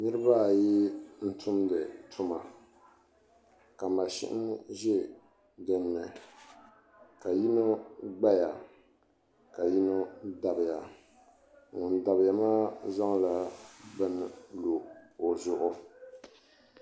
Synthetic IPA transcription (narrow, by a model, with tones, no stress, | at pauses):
nɨ˦ɾɨ˦ba˦˨ji˦n̩˦tʰʊ˦mdɨ˨tʰʊ˦ma˨ | ka˨ma˨ʃɪ̰˦ʔɪ̰˦nʒɛ˦ | dɨ˦nːɨ˨ | ka˨ji˦no˦ɡ͡ba˦ja˨ | ka˨ji˦no˦da˨bɪ˨ja˨ | ŋʊ˨nda˨bɪ˨ja˨maː˦za˦ŋ˦la˨bɨ˦nlo˨o˨zʊ˦ʔʊ˦